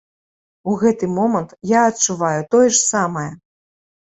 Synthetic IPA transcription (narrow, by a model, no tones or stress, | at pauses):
uɣɛt̪ɨmɔmɐnt̪jaɐtt͡ʂuvajut̪ɔjɛʂsamɐjɛ